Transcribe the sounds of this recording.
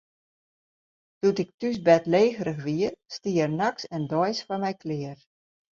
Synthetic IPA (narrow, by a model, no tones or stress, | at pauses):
d̥utɪk̚tys̬bɛtleːɣəɾəxʋiərstiərnaksɛndɔjsfɔmɛjklɪər